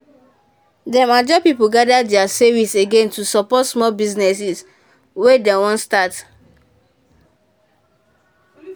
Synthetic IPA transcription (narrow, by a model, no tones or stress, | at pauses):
dɛmad͡ʒɔpipulɡadadɛasɛviseɡẽntusɔpɔtsmɔlbiznɛs̬is | wedewɔ̃ntstat